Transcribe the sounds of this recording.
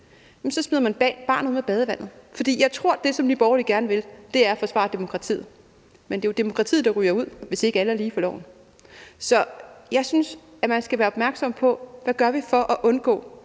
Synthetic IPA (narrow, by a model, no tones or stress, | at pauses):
jem̩sɒ̽smiðˠɐmæne̥b̥ɛ̰ːnb̥ɑ̰̈nðuð̰ˠmeb̥ɛːð̞ˠəʋæn̰ð̞̩ˠfɒ̽d̥ḭːjɑ̈ɪt͡sʰʁo̝ɐ̰d̥e̝sɒ̽md̥ib̥ɒʊɐliɡ̥æɐnəʋe̝ld̥e̝æɐfɒ̽sʋɑ̰̈d̥e̝mo̝kʰʁɑ̈t͡sʰḭːð̩ˠ | mendejod̥e̝mo̝kʰʁɑ̈t͡sʰḭːð̩̥ˠɑ̈ʁy̰ːɐuð̞̰ˠʋe̝se̝ɡ̥əæləæɐliːfʰɒ̽lɒ̰ʊn̩ | sɒ̽jɑ̈ɪsyns | æmænsɡ̥æʋæːɐɒ̽b̥mæɐɡ̥sɒ̽m̰pʰɒ̽ʋæɡ̥ɶɐʋifɒ̽ʔæʔɔ̽nɡ̥ɔ̰̽ː